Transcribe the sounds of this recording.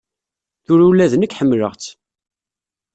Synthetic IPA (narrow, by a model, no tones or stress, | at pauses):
θʊɾulːæðnəkːħəmːləʁt͡sː